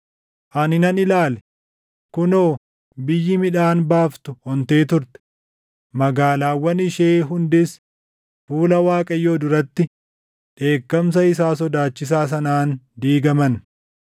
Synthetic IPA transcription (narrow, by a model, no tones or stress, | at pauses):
ʔɐnɪnɐnɪlaːlɛ̥ | kʊnoː | bɪjːɪmɪᶑaːnbaːft̪ʊhɔnt̪e̞ːt̪ʊɾt̪ɛ̥ | mɐɡaːlaːwːɐnɪʃe̞ːɦʊnd̪ɪs | fuːlɐwaːkʼɐjːoːd̪ʊɾɐt̪ːɪ | ᶑe̞ːkːɐms̬ɐɪsaːs̬ɔd̪aːt͡ʃːɪs̬aːs̬ɐnaːnd̪iːɡɐmɐn